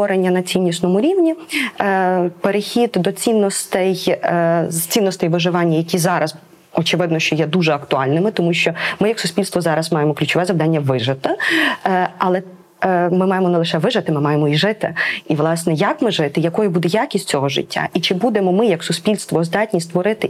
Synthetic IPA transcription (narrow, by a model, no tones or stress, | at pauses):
ɔɾenʲːɐnɐt͡sʲinʲːisnɔmʊɾʲiʋnʲi | peɾexʲid̪d̪ɔt͡sʲinːɔst̪ɛj | t͡sʲinːɔst̪ɛjʋɪʒɪʋɑnʲːɐjɐkʲizɑɾɐz | ɔt͡ʃɪʋɪd̪nɔʃt͡ʃɔjɛd̪uʒɛɐkt̪ʊɑlʲnɪmɪt̪ɔmuʃʲt͡ʃɔmɪjɐksʊspʲilʲst̪ʋɔzɑɾɐzmɑjemɔklʲʉt͡ʃɔʋɛzɐʋd̪ɑnʲːɐʋɪʒɪt̪ɪ | ɐlˠɛ | mɪmɑjemɔnɛlˠɪʃɛʋɪʒɪt̪ɪmɪmɑjemɔiʒɪt̪ɪ̰iʋlˠɑsnɛjakmɪʒɪt̪ɪjɐkɔjɛbud̪ɛjakʲisʲt̚ʲt͡sʲɔɦɔʒɪ̰tʲːa̰ʔit͡ʃɪbud̪emɔmɪjɐksʊsʲpʲilʲst̪ʋɔzd̪ɑtʲnʲisʲt̪ʋɔɾɪt̪ɪ